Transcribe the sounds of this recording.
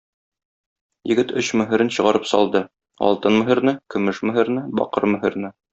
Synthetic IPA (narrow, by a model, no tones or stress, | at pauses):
jɘ̆ɡɘt̪ɵɕmɵ̆ɦɘ̆ɾɘnɕɤ̆ʁɑɾɤpsɒlˠd̪ɤ | ɒ̰lˠt̪ɤnmɵ̆ɦɘ̆ɾnɘkɵ̆mɘʃmɵ̆ɦɘ̆ɾnɘbɒ̰qɤɾmɵ̆ɦɘ̆ɾnɘ